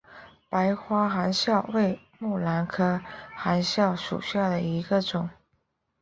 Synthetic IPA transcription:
pa˧˥ɪxwa˥xa˧˥nɕjɑ˥˧ʊwe˥˧ɪ | mu˥˩la˧˥nkʰɤ˥xa˧˥nɕjɑ˥˩ʊʂṵ˨˩ɕja˥˩d̪ə˩i˧˥ɡə˧ʈ͡ʂʊ˨˩˦ŋ

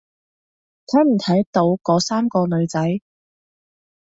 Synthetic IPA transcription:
t̪ʰɐ˨˥m̩˨˩t̪ʰɐ˨˥jt̪o˨˧˥wkɔː˨˥saː˥mkɔː˧lɵ˨˧ɥt͡sɐ˨˥j

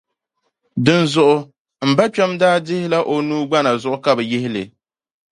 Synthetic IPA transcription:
dɨ˦nzʊ˦ʔʊ˦ | m̩˨ba˦t͡ʃa˦mdaː˦dɪ˦hɪ˦la˦ʔo˨nuː˦ɡ͡ba˦na˨zʊ˦ʔʊ˦ka˨bɛ˨jɪ˦hɪ˦lɨ̰˨

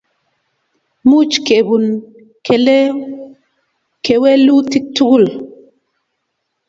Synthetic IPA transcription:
mu˦˨t͡ʃke˨bu˨n | kʰɛ˨le˦ | kʰe˨we˦lu˦ti˦k̚tu˦ɡu˦˨l

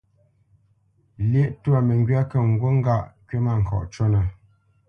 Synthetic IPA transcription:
ljɛ˦ʔtwa˨mɛ˨ŋɡɥa˦kə˦˨ŋ̩˨ɡwo˦ŋ̩˦ɡa˦˨ʔkɥe˦ma˨ŋ̩˨kʰɔ̰˨ʔt͡ʃo˦na˨

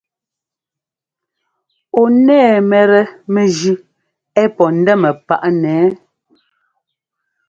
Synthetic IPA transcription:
o˨nɛː˦˨mɛ˨ɾɛ˨mɛ˨d͡ʒi˦ | ɛ˦pɔ˨n̩˦dɛ˦mɛ˨pa˦˨ʔnɛː˨˦

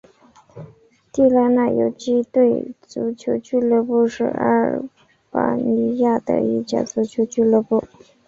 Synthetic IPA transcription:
t̪i˥˩la˥na˥˩jo˨˩ʊt͡ɕi˥t̪we˥˩ɪt͡su˧˥t͡ɕʰjo˧˥t͡ɕʰy˥˧lɤ˥˧pu˥˧ʂɻ̩̰˥˩a˥ɻ | pa̰˧˥ni˧˥ja˥˩d̪ə̰˧ḭ˥˩t͡ɕjɑ̰˨˩t͡su˧˥t͡ɕʰjo˧˥ʊt͡ɕʰy˥˧lɤ˥pu˥˩

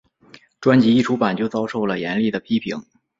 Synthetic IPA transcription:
ʈ͡ʂwa˥nt͡ɕi˧˥i˥˩ʈ͡ʂʰu˧˥pa˨˩nt͡ɕjo˥˩ʊt͡sɑ˥ʊʂo˥˩ʊlə˩jɛ˧˥nli˥˩d̪ə˩pʰi˥pʰḭ˧˥ŋ

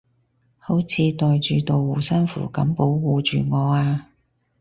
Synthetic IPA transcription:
ho˨˥wt͡sʰiː˨˧t̪ɔː˨˧jt͡ʃyː˨t̪o˨wwuː˨˩sɐ˥nfṵː˨˩kɐ˨˥mpo˨˥wwuː˨˧t͡ʃyː˨ŋɔː˨˧aː˧

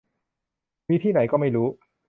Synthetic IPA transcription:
miː˦˥˧t̪ʰiː˥˩na˩˦jkɔː˥˩ma˥˩jɾuː˦˥

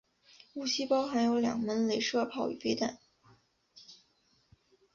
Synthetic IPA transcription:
u˥˩ɕi˥pɑ˥ʊxa˧˥ɪjo˧˥ʊljɑ̰˨˩ŋmə˧˥nle˧˥ɪʂɤ˥˩pʰɑ˥˩ʊy̰˨˩fe˥ɪt̪a˨˩˦n

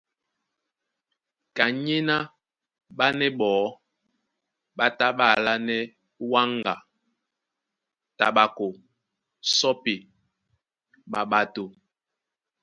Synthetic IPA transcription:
ka˨ɲi˦na˦ | ɓa˦nɛ˦ɓɔː˨˦ | ɓa˦ta˦ɓa˦˨la˦nɛ˦ | wa˦ŋɡa̰˨ | ta˨ɓa˨ko˨ | sɔ˦pi˨ | ɓa˨ɓa˨to˨

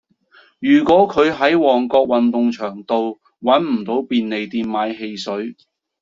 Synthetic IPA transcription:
jyː˨˩kwɔː˨˥kʰɵ˨˧ɥɦɐ˨˥jwɔː˨˩ŋkɔː˧k̚wɐ˨nt̪ʊ˨˧ŋt͡ʃʰœː˨˩ŋt̪o˨˧w | wɐ˨˥nm̩˨˩t̪o˨˥wpiː˨˧nne˨jt̪iː˧nmaː˨˥jɦe˧jsɵ˨˥ɥ

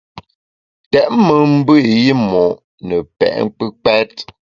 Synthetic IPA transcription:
tɛ˨ʔmə˨m̩˦bə˦˨ji˦mɔ˨ʔ | nə˨pɛ̰˨ʔŋ˦k͡pə˦k͡pɛ˦t

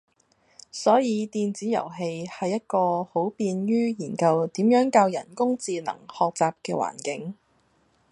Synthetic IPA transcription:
sɔː˨˥jiː˨˧t̪iː˨˧nt͡siː˨˥jɐ̰˨˩wɦe˧jhɐ˨jːɐ˥t̚kɔː˧ho˨˥wpiː˧nɥyː˥jiː˨˩nkɐ˧wt̪iː˨˥mjœː˨˥ŋkaː˧wjɐ̰˨˩nkʊ˥ŋt͡siː˨˧nɐ̰˨˩ŋhɔː˨k̚t͡saː˨p̚kɛː˧wa̰ː˨˩nkɪ˨˥ŋ

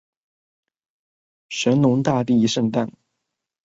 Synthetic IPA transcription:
ʂə˧˥nnʊ˧˥ŋt̪a˥˧t̪i˥˧i˥ʂə˥˧ŋt̪a˥˩n

